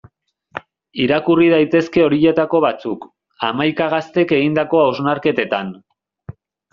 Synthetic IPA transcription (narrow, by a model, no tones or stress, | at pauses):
iɾakurið̞ajt̪e̞ske̞o̞ɾiʎe̞t̪ako̞βat͡suk | amajkaɣ̞ast̪e̞ke̞ɣind̪ako̞awznaɾke̞t̪e̞t̪an